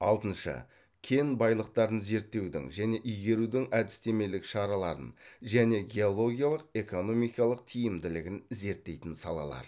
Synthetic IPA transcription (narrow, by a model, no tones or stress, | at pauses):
ɑlˠd̪ənʃɑ̰ | kʲʰe̞jnbɑjlˠəq̚t̪ɑɾənze̞ɾt̪ːe̞wd̪ɪ̰ŋʒæne̞ʔʏjɡʲe̞ɾud̪ɪŋæd̪ɪst̪e̞me̞lɪkʃɑɾɑlˠɑɾə̰nʒæne̞ɡʲe̞o̞lˠo̞ɡʲijalˠəqe̞ko̞no̞mijkɑlˠəq̚t̪ʰijɪmd̪ɪlɪɡʲɪnze̞ɾt̪ːe̞jt̪ɪnsɑlˠɑ̰lˠɑ̰ɾ